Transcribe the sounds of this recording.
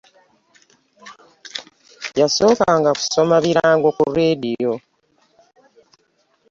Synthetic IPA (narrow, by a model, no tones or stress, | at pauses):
jaso̞ːkaŋɡaku̥so̞maβiɾaːŋɡo̞kuredio̞